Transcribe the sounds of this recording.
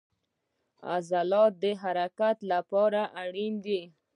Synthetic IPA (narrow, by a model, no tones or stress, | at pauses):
a̰zalɑt̪̚d̪əɦaɾakat̪lapɑɾaʔaɽind̪i